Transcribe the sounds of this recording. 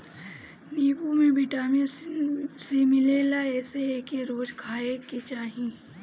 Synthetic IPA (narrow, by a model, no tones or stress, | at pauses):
niːbumẽbɪʈaːme | simɪleːlaɛːseeːkeɾoːd͡ʒkʰaːeket͡ʃaːɦĩ